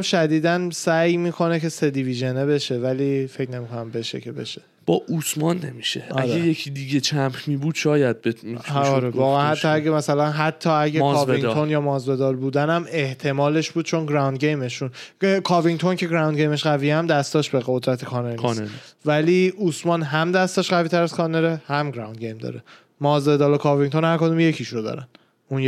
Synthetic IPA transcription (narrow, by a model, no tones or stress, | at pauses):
mʃæd̪iːd̪ænsæjmiːkʰo̞ne̞cʰe̞se̞d̪iviʒe̞nebe̞ʃe̞vælife̞cʰne̞mikʰonæmbe̞ʃe̞̰cʰebeʃe̥ | b̥ɒːʔusmɒnːḛmiʃeʔæɾejecʰid̪iɟet͡ʃʰæmhmiːbuːd̪̥ʃɒːjæd̪̚beinʰːɾevɒːɣeænhæt̪ʰːɒæɡemæsælænɦæt̪ʰːɒːæɟeɒviŋt̪ʰonjɒːmɒːzbe̞d̪ɒːlbuːd̪ænæme̞ht̪ʰe̞mɒːle̞ʃbuːd̪̚t͡ʃʰo̞nɡɾawnd̪̚ɟejmeʃunekʰɒːviŋt̪ʰo̞ncʰe̞ɡɾæwnd̪ɟejme̞ʃɡævijæmd̪æst̪ɒːʃbeɣod̪ɾæt̪ʰekʰɒːneɾneɾnivæliːusmɒːnɦæmd̪æst̪ɒːʃɢæviːt̪ʰæɾæz̥kʰɒːneɾehæmɡɾa̰wnd̪ɡejmd̪ɒ̰ːɾe | mɒːzbe̞d̪ɒːlokʰɒviŋt̪ʰonhæɾko̞d̪umje̞cʰiʃɾod̪ɒ̰ɾæn | unje